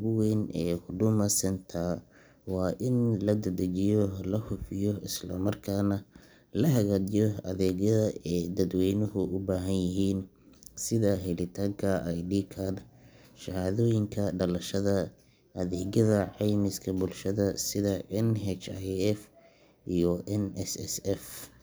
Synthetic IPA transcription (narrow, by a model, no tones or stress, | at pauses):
ɣʊwɛnɛːhʊɖʊmɐsɛnt̪ʰa | wɑːʔɪnlɐd̪ɐd̪ɐt͡ʃɪjɔlɐhʊfɪjɔɪslɐmɐrkʰaːnɐ | lɐɦɐɣaːdɪjɔɐ̰ðɛːɣjɐðɐɛːd̪ɐd̪wɛjnʊɦʊʔʊbaːɦɐnjɪɦiːn | sɪðaɦɛlɪt̪ʰaːŋkʰɐʔjɖiːkʰaːn | ʃɐhaːðɔːjɪŋkʰɐɖɐlɐʃɐðɐ | ʔɐðɛːɣɐðɐʕɑjmɪskʰɐbʊlʃɐðɐsɪðɐɛnɦɛt͡ʃajɛf | ijɔʔɛnɛsɛ̰sɛf